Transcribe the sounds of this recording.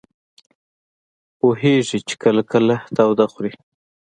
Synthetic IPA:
poɦeʐit͡ʃɪ̥kəlakəlaht̪awd̪axɾi

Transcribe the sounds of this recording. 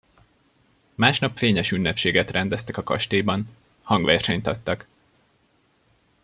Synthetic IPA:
maːʃnɒpfeːɲɛʃynːɛpʃeːɡɛt̪rɛnd̪ɛst̪ɛkɒkɒ̰ʃt̪eːbɒn | hɒŋɡʋɛrʃɛɲt̪ɒt̪ːɒk

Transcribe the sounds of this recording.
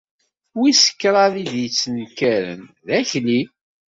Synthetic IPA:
wisə̥kːɾˤɑðiðjət͡sːənkæɾə̰nðæçli

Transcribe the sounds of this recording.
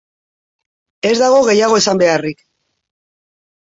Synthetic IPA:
e̞zd̪aɣ̞o̞ɣe̞jaɣ̞o̞esambe̞arik

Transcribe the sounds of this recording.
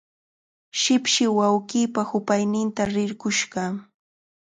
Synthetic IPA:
ʃɪpʃɪwawɢiːpahʊpajnɪnt̪aɾɪɾɢʊʃɢɑ

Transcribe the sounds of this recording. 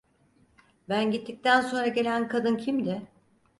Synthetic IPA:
bænɟit̪ʰːic̚t̪ʰænso̞nɾaɟe̞lʲænkʰad̪ɯncʰimd̪ɪ

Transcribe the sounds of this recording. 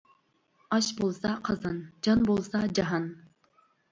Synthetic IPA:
ɑʃbolˠsɑqʰɑzɑnd͡ʒɑnbolˠsɑd͡ʒɑɦɑn

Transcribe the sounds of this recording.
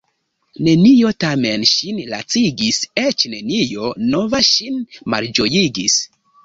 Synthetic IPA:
ne̞nio̞tame̞nʃinla̰t͡siɡiset͡ʃne̞nijo̞no̞vaʃinma̰ld͡ʒo̞jiɡis

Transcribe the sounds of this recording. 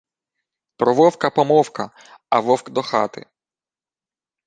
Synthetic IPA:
pɾɔʋɔwkɐpɔmɔwkɐ | ɐʋɔwkd̪ɔxɑt̪ɪ̰

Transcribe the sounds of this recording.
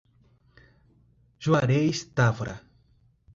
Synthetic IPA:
d͡ʒuaɾeist̪afɾa̰

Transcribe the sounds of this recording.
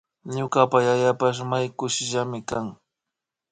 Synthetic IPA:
ɲʊkapajaʎapaʃmajkʊʃɪʒamɪkaŋ

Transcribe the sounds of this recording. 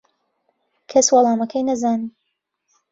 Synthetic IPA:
kʰɐswɑlˠɑːmɐkʰɐjnɐzaːni

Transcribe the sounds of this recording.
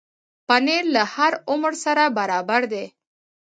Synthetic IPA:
panelahaɾʊmɾsaɾabaɾɑbaɾd̪e

